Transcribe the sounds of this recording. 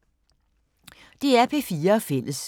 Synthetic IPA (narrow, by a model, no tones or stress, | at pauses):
d̥e̝æɐpʰe̝ːfiːɐɒfel̰əs